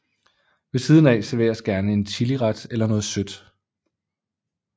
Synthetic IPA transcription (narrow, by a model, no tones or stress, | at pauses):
ʋe̝siːð̞ˠn̩ɛ̰seʋḛːɐsɡ̥æɐnəe̝nt͡sʰiliʁɑd̥elɐnɔ̽ːð̩ˠsød̥